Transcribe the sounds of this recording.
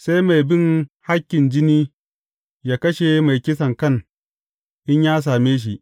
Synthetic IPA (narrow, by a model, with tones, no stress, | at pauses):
sa˦jma˨jbɪ˦ŋha˦kʲːɪ˨nd͡ʒɪ˦niː˦ | jaː˦kɐ˦ʃe˨ma˨jkʲɪ˦sɐ˨ŋkɐ˦˨ŋ | ʔɪ˦ɲjaː˦s̬aː˨meː˦ʃ̬i˨ʔ